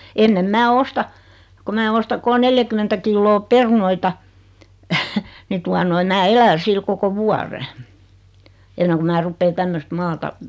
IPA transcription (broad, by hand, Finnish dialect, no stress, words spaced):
enːem mæː ostɑ ko mæː ostɑ kol neljækymːentæ kilːoː perunoitɑ ni tuɑ noi mæː elæ sil koko ʋuɑre enːeŋ ku mæː rupːeː tæmːøst mɑːtɑ